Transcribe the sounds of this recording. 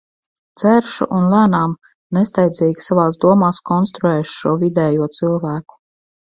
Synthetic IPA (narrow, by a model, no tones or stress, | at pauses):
t̪sɛɾʃṵʔunlæːnaːm | nest̪ajd̪ziːɡʲi̥savaːsd̪uɔmaːskɔnst̪ɾuɛːʃu̥ʃuɔvid̪ɛːjuɔt̪sɨlˠvæːku̥